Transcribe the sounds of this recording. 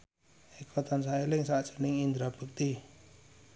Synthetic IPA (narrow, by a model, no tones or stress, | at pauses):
ekʰɔt̪ansaelɪŋsaʔdʒ̥ə̤nɪŋind̪ɾab̥uk̚t̪i